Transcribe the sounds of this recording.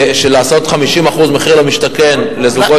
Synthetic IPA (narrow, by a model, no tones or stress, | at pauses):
ʃelaːso̞tχamiʃimaχuzmeχiʁlomiʃtake̞nle̞zuɡo